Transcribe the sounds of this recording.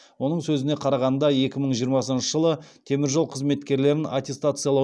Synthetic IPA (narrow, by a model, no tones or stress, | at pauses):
wo̞nəɴsɵzɪneqʰɑɾɑʁɑnd̪ɑje̞kʲɪməɴʒijəɾmɑsənʃəʒəlˠət̪ʰe̞mɪɾʒolˠqʰəzme̞t̪kʲe̞ɾle̞ɾɪnat̪ʲe̞st̪at̪sɨjalˠɑ